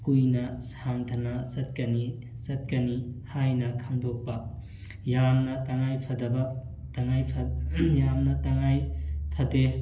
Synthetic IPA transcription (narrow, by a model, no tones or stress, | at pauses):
kujnɐsaŋt̪ʰɐnɐsɐt̚kɐni | sɐt̚kɐnihajnɐkʰaŋdok̚pɐ | jamnɐtaŋajpʰɐdɐbɐ | taŋajpʰɐjamnɐtaŋajpʰɐde